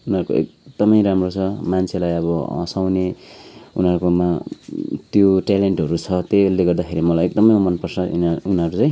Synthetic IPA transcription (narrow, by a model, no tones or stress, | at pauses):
unɦʌɾuko̰ḛk̚d̪ʌmʌjɾamrot͡sʰʌmant͡sʰelajʌβʌʌ̰̃sawne | ṵnɦʌɾukoma | t̪joʈaleɳʈɦʌɾut͡sʰʌt̪eleɡʌrd̪akʰeɾimʌlajek̚d̪ʌmʌjumʌnpʌrt͡sʰʌḭunʌɾut͡sãj̃